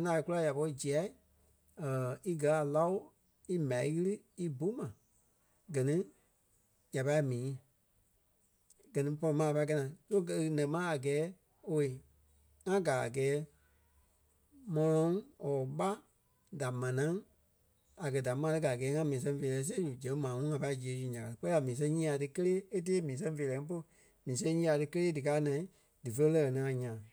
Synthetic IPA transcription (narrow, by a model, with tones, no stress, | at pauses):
nã˨e˨˧kula˧˦˨ja˨pɔ˧ɾi˧d͡ʒi˨a˨˦ | əː˨i˦ɡɜ˨˧˦a˨la˦o˦ | i˦mã˨i˦ɣɨ˦lɨ˦ | i˦bu˦mã˨ | ɡɜ˨nĩ˦ | ja˨pa˧i˦mĩː˨˦ | ɡ̥ɜ˨nĩ˦pɔ˧lɔ˧˦mãː˦˨pa˧kɛ˧nã˨to˦knɛ̃˨˦mã˦a˨ɡɛː˨˦ | o˧e˨ | ŋã˦ɡa˨a̰˨ɡɛː˨˦ | mɔ̃˧lɔ̃˨˦ŋɔː˨ɓa˦ | da˨mã˨nã˨˦ | a˨ɡɜ˧˨da˨mã˧˦˧tɨ˧˦ɡa˨ɡɛː˨˦ŋã˧mĩː˨s̬ɛ̃˧feː˨lɛ˨˦s̬e˦d͡ʒu˨d͡ʒɛ̃˨˦ŋ˦mãː˨ŋɔ̃˦ŋã˧pa˧i˦d͡ʒi˨e˨˦d͡ʒu˨ɲã˨ka˨ɾk͡pɛ˦i˦a˨mĩː˨s̬ɛ̃˧ɲĩː˦a˧tɨ˧kə˦leː˦e˦t̬eː˦mĩː˨˦sɛ̃˧˦feː˨lɛː˨˦ŋ̩˦p̬o˧˦˨ | mĩː˨˦sɛ̃˦ɲĩː˦a˧tɨ˧kə˦leː˦dɨ˨kaː˦nã˨ĩ˦ | dɨ˨fə˧˦e˦lɜ˧ɛ˨nĩ˨˧ã˧ɲã˨